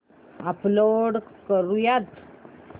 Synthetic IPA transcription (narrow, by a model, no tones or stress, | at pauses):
aploɖkəɾujat̪